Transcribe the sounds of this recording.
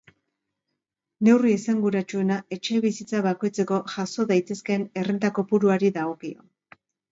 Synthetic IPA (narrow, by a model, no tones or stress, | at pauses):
ne̞wriesaŋɡuɾat͡ʃue̞nae̞t͡ʃe̞βisit͡saβako̞jt͡se̞ko̞ʝaso̞ðajt̪e̞ske̞ne̞rent̪ako̞puɾuaɾiðaokio̰